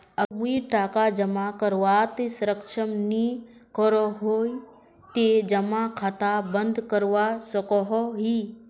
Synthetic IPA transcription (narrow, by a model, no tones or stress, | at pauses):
əmuiʈaːkad͡ʒɐmakəɾʋat̪esɾəkʃəmnikɔɾɔɦoːi | t̪ed͡ʒɐmakʰat̪abənd̪kəɾwasəkɔɦɔɦi